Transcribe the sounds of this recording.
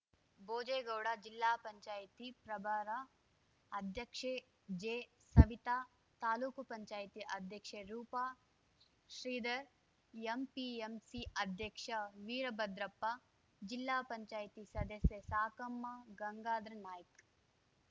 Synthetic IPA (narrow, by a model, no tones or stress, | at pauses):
boːd͡ʒeːɡɐwɽaːd͡ʒilːaːpɐɲt͡ʃaːjt̪ipɾɐbʱaːɾa | ɐd̪ʱjɐkʂe | d͡ʒeː | sɐʋit̪aː | t̪aːluːkupɐɲt͡ʃaːjt̪iʔɐd̪ʱjɐkʂeɾuːpaː | ʃɾiːd̪ɐɾ | empiemsiɐd̪ʱjɐkʂɐʋiːɾɐbɐd̪ɾɐpːa | d͡ʒilːaːpɐɲt͡ʃaːjt̪isɐd̪ɐsjɐsaːkɐmːaɡɐŋɡaːd̪ɾɐnaːjɐk